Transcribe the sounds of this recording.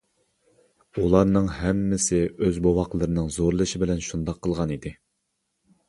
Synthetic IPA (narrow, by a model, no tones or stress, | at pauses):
ulˠɑɾnɨŋhɛmːɪsɪøzbowɑqlˠɨɾɨnɨŋzoɾlˠɨʃibɪlɛnʃund̪ɑqʰːəlˠʁɑnid̪ɪ